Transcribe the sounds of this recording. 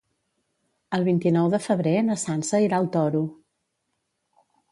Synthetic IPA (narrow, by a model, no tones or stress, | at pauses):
əlˠβint̪inɔwðəfəβ̞ɾenəsansəiɾaəlˠt̪ɔɾu